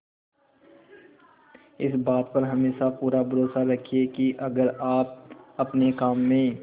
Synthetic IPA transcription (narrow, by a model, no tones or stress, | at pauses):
ɪsbaːt̪̚pɐɾɦɐmeːʃapuːɾabʱɐɾoːsaɾɐkʰiekiʔɐɡəɾaːp̚ɐpnekaːmːẽː